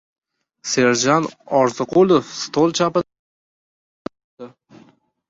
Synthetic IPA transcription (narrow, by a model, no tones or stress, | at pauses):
se̞ɾd͡ʒanɒɾzɨqʰulˠofst̪ʰolˠt͡ʃʰapɪ | d̪ɪ